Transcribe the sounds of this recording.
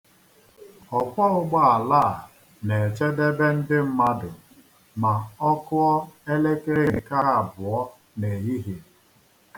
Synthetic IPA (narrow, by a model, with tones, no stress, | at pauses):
ɔ˨kʷɔ˦ʊ˦ɡ͡ba˦a˨la˦˨ | ne˨t͡ʃe˦de˦be˦n̩˦dɪ˦m̩˦ma˦dʊ˨ | ma˨ɔ˦kʊ˦ɔ˦e˦le˦kɾe˦˨ka˦a˨bʊ˨ɔ˦ | ne˨ji˦ɦi˨